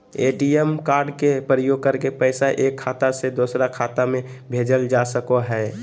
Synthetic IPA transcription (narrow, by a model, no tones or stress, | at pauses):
ḛːʈiɛmkaːɾɖkepɾəjoːɡ̚kəɾkepəɪsaʔeːkʰːaːt̪ased̪oːsɾakʰaːt̪amẽ | bʱeːd͡ʒəld͡ʒaːsəkoɦɛ